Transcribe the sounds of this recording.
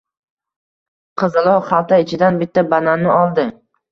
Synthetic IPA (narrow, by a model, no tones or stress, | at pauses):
qʰɨzɪlˠɒχalˠt̪ʰaɪt͡ʃʰɪd̪anbɪt̪ʰːabananːɪɒlˠd̪ɪ